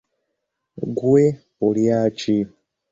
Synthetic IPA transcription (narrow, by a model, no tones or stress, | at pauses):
ɡwe | oljaːt͡ʃi